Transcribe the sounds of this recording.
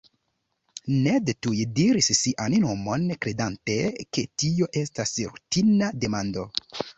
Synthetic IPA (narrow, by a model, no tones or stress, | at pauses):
nedetujediɾisːiʔanno̞mo̞nkɾe̞dante̞kʰe̞tio̞ʔe̞stasɾṵtinade̞mando̞